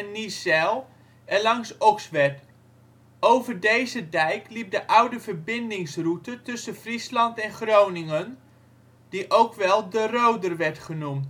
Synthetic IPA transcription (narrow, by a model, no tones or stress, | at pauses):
nːisɛlˠ | ɛlɑŋsɔksʋɛt | owvərdejzədɛjklip̚dəʔʌwdəvərbɪndɪŋsrutətɵsəfrislɑntɛnχrownɪŋən | d̥iʔowkʋɛlˠdərowdərʋɛɹtχənumt